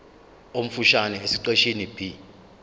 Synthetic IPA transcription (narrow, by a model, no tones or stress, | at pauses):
om̩fuʃanɛesiǀeʃinib̥ʱi